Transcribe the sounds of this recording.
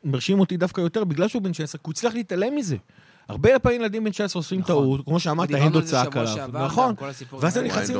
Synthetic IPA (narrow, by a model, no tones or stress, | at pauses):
meʁʃimo̞t̪id̪afkajo̞t̪e̞ʁbiɡlalʃeubenʃaesʁekiut͡sliaχleit̪ale̞mize̞ | a̰ʁbejelpaimjelad̪imbenʃaesʁeosfimt̪aut̪kmo̞ʃeamaʁt̪aend̪ot͡saakalavvnaχo̞nveazt̪emneχnasim